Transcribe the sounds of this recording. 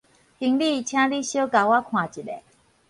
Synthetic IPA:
hi˧˩˦ŋli˥˩i˨t͡ɕʰjã˥˦li˥˦˨ɕjo˦ka˨wa˦kʰwã˨˩t͡ɕi˨˩ɗe˨

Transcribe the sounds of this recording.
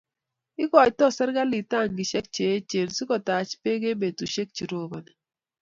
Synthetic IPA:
ɪ˦kɔ˨tɔ˦˨sɛ˦ɾɡa˦li˨ta˦˨ŋɡi˨ʃɛ˦k̚t͡ʃe˨˦t͡ʃe˨lsi˦kɔ˨ta˨t͡ʃpe˦ɡe˦be˨tu˨ʃe˦k̚t͡ʃi˨ɾo˦bɔ˨nɛ˨

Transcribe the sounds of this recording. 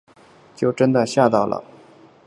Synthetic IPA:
t͡ɕjo˥˩ʊʈ͡ʂə˥nd̪ə˨ɕja˥˧t̪ɑ˥˩ʊlʔə̰˩

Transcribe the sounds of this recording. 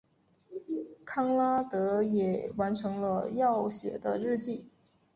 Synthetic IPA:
kʰɑ˥ŋla˥t̪ɤ˧˥jɛ˨˩wa˧˥nʈ͡ʂʰɤ˧˥ŋlə˧jɑ˥˩ʊɕjɛ̰˨˩d̪ə˦ɻɻ̩˥˧t͡ɕi˥˩

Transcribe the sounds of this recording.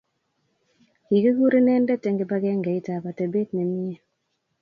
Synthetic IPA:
hi˨ɡe˦ɡu˦ɾe˦nɛ˦ndɛ˦tɛ˨ŋɡe˨ba˦ɡɛ˦ŋɡɛ˨i˦ta˨ba˨tɛ˨be˦tnɛ˨mi˦ɛ˦

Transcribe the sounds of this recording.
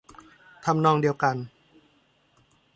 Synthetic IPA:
t̪ʰa˧mnɔː˧ŋdi˧əwka˧n

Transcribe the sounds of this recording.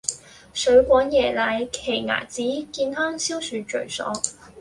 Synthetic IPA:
sɵ˨˥ɥkʷɔː˨˧˥njɛː˨˩laː˨˥jkʰe˨˩jŋa̰ː˨˩t͡siː˨˥kiː˧nhœː˥ŋsiː˥wsyː˨˧t͡ʃɵ̰˨˩ɥsɔ̰ː˨˥ŋ

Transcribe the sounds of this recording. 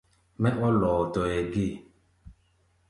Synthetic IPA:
mɛ˦ʔɔ˦lɔ˨tɔ˨ɛ˨ɡi˦˨

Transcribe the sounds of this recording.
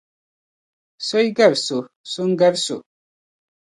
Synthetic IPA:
so˦jɡa˦˨ɾsu˨ | su˦ŋ˦ɡɛ˦ɾsu˨

